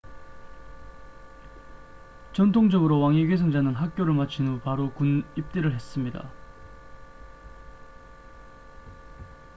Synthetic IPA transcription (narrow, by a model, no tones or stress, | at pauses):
t͡ɕʌntʰoŋd͡ʑʌɡɯɾowaŋiɡesʰʌŋd͡ʑanɯnɦak̚k͈joɾɯɭmat͡ɕʰinɯpaɾokunip̚t͈iɾɯɭɦe̞s͈ɯmɲida̰